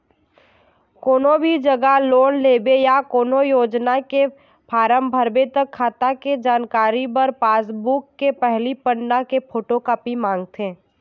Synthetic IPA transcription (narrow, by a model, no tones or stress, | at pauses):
koːnobʱid͡ʒɐɡaloːnleːbejakoːnojoːd͡ʒnake | pʰaːɾəmbʱəɾbet̪ɐkʰːaːt̪aked͡ʒaːnkaːɾibɐɾpaːsbukːepɛɦlipənnakepʰoːʈokapimãːŋɡt̪ʰẽː